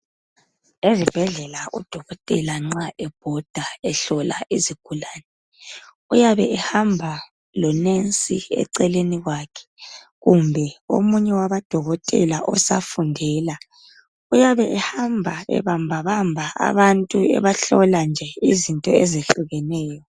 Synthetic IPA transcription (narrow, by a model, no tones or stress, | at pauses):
ezib̥ʱɛɮɛlaʔṵd̥ʱɔɣɔtʼɛlaŋ͡ǁaʔɛb̥ʱɔd̥ʱaɛɬɔla̰ʔiziɡ̥ʱulaːnɛ | ujaβɛɛhambʱa | lɔnent͡sʼiɛ̰ǀɛleniɣwakʰɛ̥ | ɣumbʱɛo̰muɲɛwaβad̥ʱɔɣɔtʼɛ̰laʔɔ̰safundʱɛla | ujaβɛɛhambʱaɛ̰βambʱaβambʱaʔa̰βantʼuɛ̰βaɬɔland͡ʒʱɛizintʼɔɛzeɬuɣɛnɛːjɔ